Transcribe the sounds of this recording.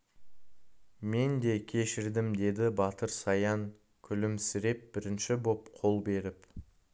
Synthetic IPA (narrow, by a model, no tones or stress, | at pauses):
me̞nd̪e̞kʲʰe̞ʃɪɾd̪ɪmd̪e̞d̪ɪbɑt̪əɾsɑjɑŋ | kʲʰʏlɪmsɪɾe̞p̚bɪɾɪnʃɪbo̞pqʰo̞lˠbe̞ɾɪp